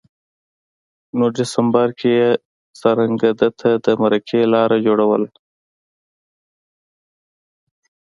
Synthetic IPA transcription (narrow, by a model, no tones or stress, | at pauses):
noɖɪsɐmbəɾkʰeje | sɐɾɐŋɡɐd̪ət̪ʰad̪əmɐɾɐkʰeːlɑːɾad͡ʒoːɽɐwəl